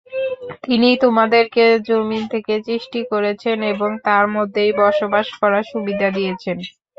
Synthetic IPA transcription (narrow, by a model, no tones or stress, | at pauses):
t̪init̪omad̪eɾked͡ʑomint̪ʰeket͡ɕiʃʈikoɾet͡ɕʰeneboŋt̪aɾmod̪ʱːejbɔɾʃobaʃkɔɾaʃubid̪ʱad̪ijet͡ɕʰen